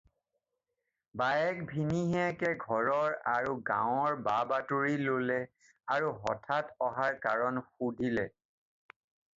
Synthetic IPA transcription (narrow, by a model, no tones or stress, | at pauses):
bajɛk̚bʱiniɦɛkɛɡʱɔɹɔɹaɹuɡã̰wɔɹbabatuɹilolɛ | aɹuɦɔ̰tʰatɔɦaɹkaɹɔnxudʱilɛ